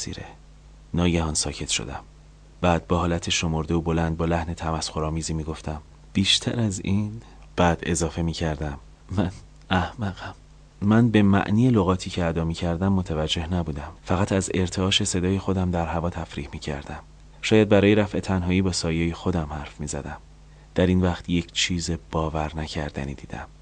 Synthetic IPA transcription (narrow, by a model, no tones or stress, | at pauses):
sḭːɾḛ | nɒːɟæhɒːnsɒ̰ːcʰe̞t̪ʃo̰d̪æm | b̥æːd̪̚bɒːɦɒːlæt̪ʰeʃo̞moɾd̪e̞obolænd̪̚bɒːlæhne̞t̪ʰæmæsxo̞ɾɒːmiːziːmiːɡo̞ft̪ʰæm | b̥iːʃt̪ʰæ̰ɾæziːn | b̥æd̪e̞zɒːfe̞miːcʰæɾd̪æm | mæn | æhmæɣæm | mænbe̞mæ̰ʔniːjeloɣɒːt̪ʰiːcʰeæd̪ɒːmiːcʰæɾd̪æmːot̪ʰævæd͡ʒːe̞hnæbuːd̪æmfæɣæt̪ʰæze̞ɾt̪ʰeɒːʃe̞se̞d̪ɒːjexo̞d̪æmd̪æɾɦævɒːt̪ʰæfɾiːhmiːcʰæ̰ɾd̪̥æm | ʃɒːjæd̪̚bæɾɒːje̞ɾæfe̞t̪ʰænɦɒːiːbɒːsɒːjejexo̞d̪æmhæɾfmiːzæ̰d̪æm | d̪̥æɾiːnvæχt̪ʰje̞cʰt͡ʃʰiːze̞b̥ɒːvæɾnæcʰæɾd̪æ̰nḭːd̪̥iːd̪æ̰m